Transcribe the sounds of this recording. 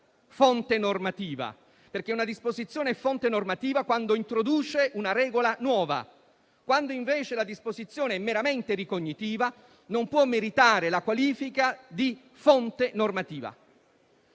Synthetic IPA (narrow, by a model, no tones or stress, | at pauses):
font̪enormat̪iːva̰ | perk̟eunad̪ispozit̪sːjoːneɛfont̪enormat̪iːvakwand̪oint̪ɾod̪uːt͡ʃeunaɾɛːɡolanwɔːva̰ | kwand̪oiɱveːt͡ʃelad̪ispozit̪sːjoːneɛmːeɾament̪eɾikoɲːit̪iːva | nompwɔmːeɾit̪aːɾelakwaliːfikad̪i | font̪enormat̪iːva̰